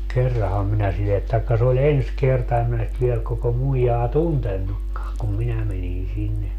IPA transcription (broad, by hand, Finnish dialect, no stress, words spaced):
kerːɑhɑm minæ silːet tɑikːɑ se olʲ ens kertɑ em min nyt ʋiel koko muijɑː tuntenːukːɑːŋ kum minæ menin sinːe